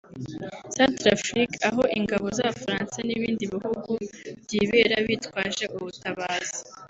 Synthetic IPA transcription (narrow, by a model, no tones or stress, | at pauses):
santɾafɾikaɦo̞ʔiŋɡaβo̞zaβafɾaːnsaniβiːndiβihuɡuβɟiːβe̞ɾaβitwaːʒeʔuβutaβaːzi